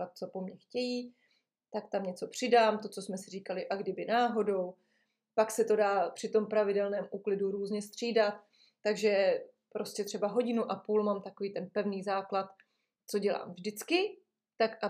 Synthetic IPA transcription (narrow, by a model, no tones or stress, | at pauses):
at̪̚t͡so̞po̞mɲɛxcɛjiː | t̪akt̪amɲɛt͡so̞pr̝̥ɪdaːmt̪o̞t͡so̞smɛsɪriːkalɪʔaɡdɪbɪnaːɦo̞do̞w | paksɛt̪o̞daːpr̝̥ɪt̪o̞mpɾavɪdɛlnɛːmʔuːklɪduɾuːzɲɛst̪r̝̥iːdat̪̚ː | aɡʒɛ | pɾo̞scɛt̪r̥ɛbaɦo̞ɟɪnuʔapuːlmamt̪ako̞viːt̪ɛnpɛvniːzaːklat̪ | t͡so̞ɟɛla̰ːmvʒdɪt͡skɪ | t̪akʔa